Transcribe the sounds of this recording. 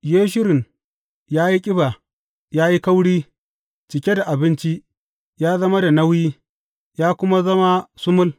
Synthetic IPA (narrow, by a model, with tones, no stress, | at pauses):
jeː˦ʃ̬ɪ˦ɾɪ˨ŋ | jaː˦ji˦kʲʼɪ˦ba˨ | jaː˦ji˦kɐ˦wɽiː˦ | t͡ʃɪ˨kʲe˦da˨ʔa˨bɪ˦nt͡ʃi˦ʔ | jaː˦zɐ˦ma˦da˨nɐ˦wjiː˦ | jaː˦kʷʊ˦ma˦zɐ˦ma˦sʊ˦mʊ˦l